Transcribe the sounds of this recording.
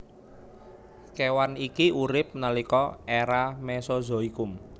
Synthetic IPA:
kewanikiʔuɾɪp̚nalikɔɛɾamɛsɔzɔ̤ikʊm

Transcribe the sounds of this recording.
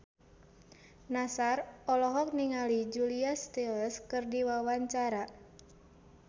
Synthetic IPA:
nasarɔlɔɦɔk̚niŋalid͡ʒuliast̪elɛskɨrdiwawaɲt͡ʃaɾa

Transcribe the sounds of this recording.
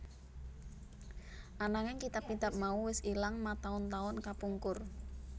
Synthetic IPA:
ʔanaŋɪŋkit̪apːid̪ap̚mauwɪsilaŋmat̪aʊnt̪aʊnkapuŋkʊr

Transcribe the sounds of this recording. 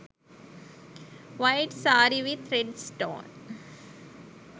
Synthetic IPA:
ʋaɪʈsaːɾiʋɪt̪ʰɾɛɖsʈõ̰ːn

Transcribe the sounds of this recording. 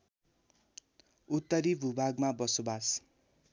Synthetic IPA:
ut̪ːʌɾibʱubʱaɡmabʌsobas

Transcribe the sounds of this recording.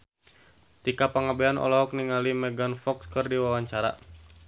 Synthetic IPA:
t̪ikapaŋabɛanʔɔ̰lɔɦɔk̚niŋalimɛɡanfɔkskɨrdiwawaɲt͡ʃaɾa̰

